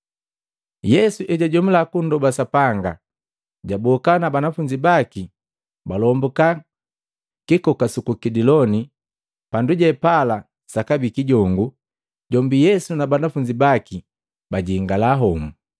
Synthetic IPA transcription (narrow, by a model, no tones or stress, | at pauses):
jɛsuʔɛɟaɟɔmulakundɔbasapaŋɡa | ɟabɔkanabanafuɲd͡ʒibaki | balɔmbuka | kikɔkasukukidilɔni | panduɟɛpala | sakabikiɟɔŋɡu | ɟɔmbijɛsunabanafuɲd͡ʒibaki | baɟiːŋɡalaɦɔmu